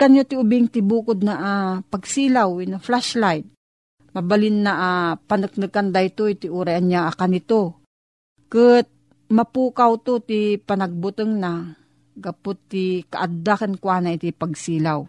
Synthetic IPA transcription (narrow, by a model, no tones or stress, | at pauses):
kanjot̪ɪʊbɪŋt̪ɪbuːkʊd̪̚naʔapaɡsiːlawnaflaʃlajd̪̚ | mabalɪnːaʔapanɨk̚nɨkand̪ajt̪oit̪ɪʔuːɾajanjaʔakanɪt̪o | kət̪̚ | mɐpuːkawt̪ot̪ipɐnɐɡ̚bʊt̪ɨŋna | ɡapʊt̪ːɪka̰ʔad̪ːakɐnkwaːnait̪ipaɡ̚siːlaw